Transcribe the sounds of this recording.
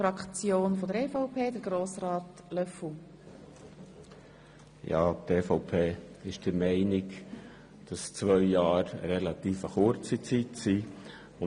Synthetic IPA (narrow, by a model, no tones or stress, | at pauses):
ɾɑkt͡sjoːnfɔd̪əɾefɔʊpʰeːd̪əɾɡɾoːsrɑːt̪ | lœfʊ | jɑ̰ːt̪eːfɔʊpʰeː | ɪʃd̥əɾmɛɪnɪk | d̥ɑst͡svœʏjɑːɾə̰ɾɛlɑt̪iːfəχʊɾt͡sit͡sitsi | ʊ